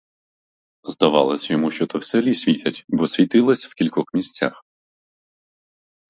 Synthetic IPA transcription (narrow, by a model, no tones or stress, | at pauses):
zd̪ɐʋɑ̰lˠɐsʲɐjɔmuʃt͡ʃɔt̪ɔwselʲisʲʋʲitʲɐtʲbɔsʲʋʲit̪ɪlˠɐsʲw̥kʲilʲkɔxmʲisʲt͡sʲa̰x